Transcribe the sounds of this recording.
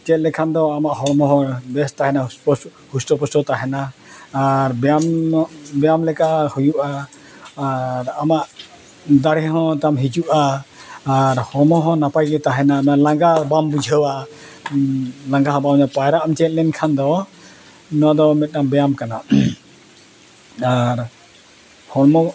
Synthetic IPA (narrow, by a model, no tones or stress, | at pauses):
t͡ʃɛt̪̚lɛkʰand̪ɔamaʔhɔɾmɔɦɔ̃bɛst̪aɦɛnapɔ | hust̪ɔpɔsɔt̪aɦɛnaː | ɾbɛambɛjamlɛkaʔhujuʔaː | ɾamaʔ | d̪aɽɛɦɔ̃t̪amɦid͡ʒuʔaː | ɾhɔmɔɦɔ̃napajɡɛt̪aɦɛnamalãŋɡabambud͡ʒʱəwa | laŋɡaɦɔ̃bamnapajɾaʔamt͡ʃɛt̪̚lɛnkʰand̪ɔ | nɔd̪ɔmɛt̪̚ˀnambɛjamkana | aɾ | hɔɽmɔ